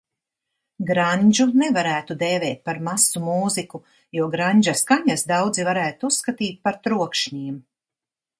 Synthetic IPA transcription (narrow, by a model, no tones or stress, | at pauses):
ɡɾaɲʲd͡ʒunɛvaɾæːt̪ud̪ɛːvɛːt̪̚paɾmasumuːziku | juɔɡɾaɲʲd͡ʒaskaɲasd̪awd̪zivaɾæːt̪uusːkat̪iːt̪̚ʲpaɾt̪ɾuɔkʃɲiːm